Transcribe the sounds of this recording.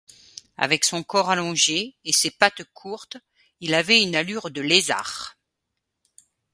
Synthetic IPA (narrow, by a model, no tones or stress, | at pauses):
a̰vɛksɔ̃kɔʁalɔ̃ʒeːsepat̪kʰuʁt̪ | ilavɛynalyʁd̪əleza̰ʁ